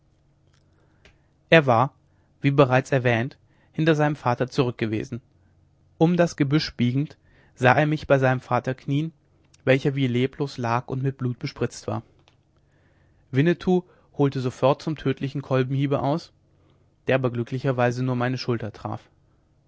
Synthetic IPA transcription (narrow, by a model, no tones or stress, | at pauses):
ʔeːɐvaːɐ | viːbəʁaɪt͡sɛɐvɛːnt | hɪntɐzaɪnəmfaːtɐt͡suʁʏk̚ɡ̥əvḛːzn̩ | ʔʊmdasɡ̥əbʏʃb̥iːɡŋ̩t | z̥aːʔeːɐmɪçb̥aɪzaɪnəmfaːtɐkʰniːən | vɛlçɐviːleːpʰloːslaːkʊ̰ntmɪt̚b̥luːt̚b̥əʃpʁ̥ɪt͡stv̥a̰ːɐ | vɪnətʰuː | hoːltəzofɔɐt̚t͡sʊmtʰøːtʰlɪçn̩kʰɔlbm̩hiːbəʔa̰ʊs | d̥eːɐʔaːbɐɡlʏkʰlɪçɐvaɪzənuːɐmaɪnəʃʊltɐtʁ̥a̰ːf